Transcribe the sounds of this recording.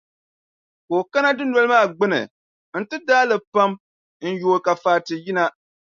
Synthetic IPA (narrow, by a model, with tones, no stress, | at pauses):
koː˨ka˦na˦dɨ˦nɔ˦lɨ˦maː˦˨ɡ͡bɨ˦nɨ̰˨ | n̩˦tɨ˦daː˦lɨ˨pa˦m | n̩˦joː˨ka˨faː˨tɨ˨ji˦na˦